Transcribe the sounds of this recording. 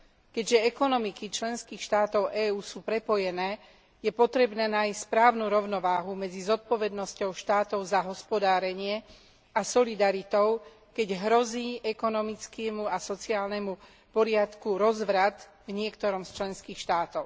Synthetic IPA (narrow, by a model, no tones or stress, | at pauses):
kɛɟʒɛɛkɔnɔmikit͡ʃlɛnskiːxʃt̪aːt̪ɔʊʔɛːuːsuːpɾɛpɔjɛnɛː | jɛpɔt̪ɾɛbnɛːnajsʲspɾaːʊnuːɾɔʊnɔʋaːɦumɛd͡zizɔt̪̚pɔʋɛd̪nɔscɔʊʃt̪aːt̪ɔʊzaɦɔspɔd̪aːɾɛɲɪɛ | asɔlid̪aɾit̪ɔʊ | kɛɟɦɾɔziːʔɛkɔnɔmit͡skimuasɔt͡siaːlnɛmu | pɔɾɪat̪kuɾɔzʋɾat̪ | vɲɪɛkt̪ɔɾɔmst͡ʃlɛnskiːxʃt̪aːt̪ɔʊ